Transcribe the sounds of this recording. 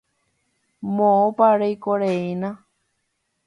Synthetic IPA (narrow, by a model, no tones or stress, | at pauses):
mõõpaɾejkoɾeinã